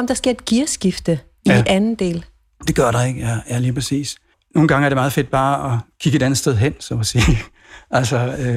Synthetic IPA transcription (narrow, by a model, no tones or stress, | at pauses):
ɒ̽md̥ɑ̈sɡ̥e̝ɐed̥ɡ̥iɐsɡ̥ifd̥ə | iʔænn̩d̥e̝̰ːl | d̥e̝ɡ̥ɶɐ̰ɾɑ̈e̝ɡ̥əæjæliːpʰʁɛsḭːs | no̝ːn̩ɡ̥ɑ̈ŋəæɐɾ̥emɑ̈ːð̞̩ˠfe̝d̥̚b̥ɑ̈ːɒkʰiɡ̥əe̝d̥ænð̩ˠsd̥eð̞ˠɦen̰sɒmɒsiː | ʔælsɒø